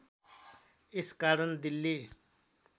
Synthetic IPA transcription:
eskaɾʌnd̪ilːi

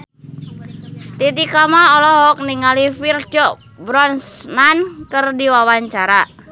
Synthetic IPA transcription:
t̪it̪ikamalɔlɔɦɔk̚niŋalifird͡ʒɔ | bɾɔnsnankərdiwawaɲt͡ʃaɾa

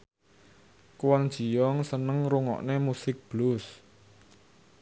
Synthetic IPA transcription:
kwand̥ʒ̥i̤jɔŋsənəŋɾuŋɔ̰ʔnemusɪk̚b̥lus

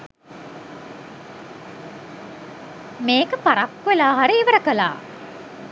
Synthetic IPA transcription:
meːkəpaɾakːʋelaːɦaɾiːʋəɾəkəla̰ː

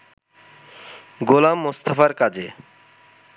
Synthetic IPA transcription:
ɡolamːost̪afaɾkad͡ʑe

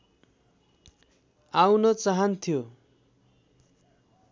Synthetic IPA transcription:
awnʌt͡saɦʌnt̪ʰijo

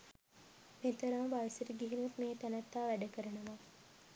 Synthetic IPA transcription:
met̪əɾamʋaʋisəɾəɡiɦinut̪meːt̪ænət̪ːaːʋæɖəkəɾənəʋa

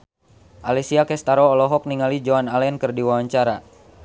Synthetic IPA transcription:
ʔalisiakɛst̪aɾɔːlɔɦɔk̚niŋalid͡ʒɔanalɛɛnkɨrdiwawaɲt͡ʃaɾa

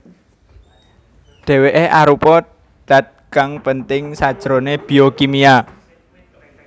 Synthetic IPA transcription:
ɖ̥ɛ̤weʔeʔaɾupɔ | ɖ̥ä̤t̪̚kaŋpənt̪ɪŋsad̥ʒ̥ɾoneb̥i̤okimia

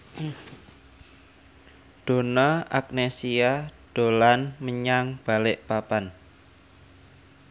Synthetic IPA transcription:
ɖ̪̥o̤naak̚nesiaɖ̥o̤lanməɲaŋb̥a̤lɪʔpapan

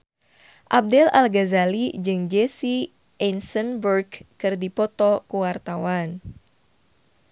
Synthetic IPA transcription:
ʔab̚dɛla̰lɡazalid͡ʒɨŋd͡ʒɛsi | ʔɛnsənbərɡkɨrdipɔt̪ɔkuwart̪awan

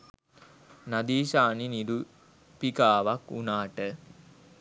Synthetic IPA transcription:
nad̪iːʃaːniniɾu | pikaːʋakunaːʈə

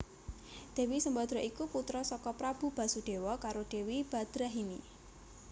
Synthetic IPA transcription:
d̪̥e̤wisəmbad̪̥ɾɔʔikuput̪ɾɔsɔkɔpɾab̥ṳb̥ä̤suɖ̥e̤wɔkaɾoɖ̥e̤wib̥a̤d̪̥ɾaɦini

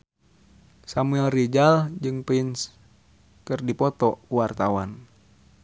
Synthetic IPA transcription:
samuɛlrid͡ʒald͡ʒɨŋpins | kɨrdipɔt̪ɔuwart̪awan

